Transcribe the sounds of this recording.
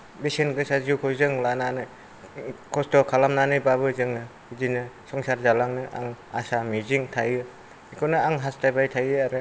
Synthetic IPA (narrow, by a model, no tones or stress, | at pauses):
besenɡɯsaziwkʰɔjzɯŋlananɯ | kʰɔstɔkʰalamnanɯjbaβɯzɯŋɯ | idinɯsɔŋsaɾzalaŋnɯʔa̰ŋa̰samiziŋtʰajɯ | ikʰɔnɯaŋɦastʰajbajtʰajɯaɾɯ